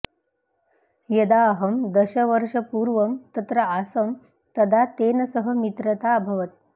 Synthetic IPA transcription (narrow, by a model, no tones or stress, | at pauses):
jɐd̪aɦɐmd̪əɕɐʋəɾʂɐpuːɾʋəmt̪ɐt̪ɾɐasəm | t̪ɐd̪ʱat̪eːnɐsəɦəmit̪ɾət̪abʱɐʋət̪̚